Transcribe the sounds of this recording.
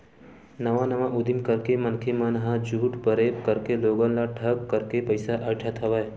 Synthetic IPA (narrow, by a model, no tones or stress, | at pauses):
nəʋãnəʋãʔud̪ʱimkəɾkemənkʰemənɦãd͡ʒuːʈpəɾepkəɾkeloɡə̃nlaʈʰəkːəɾkepəjsaʔəʈʰat̪ʰəʋaj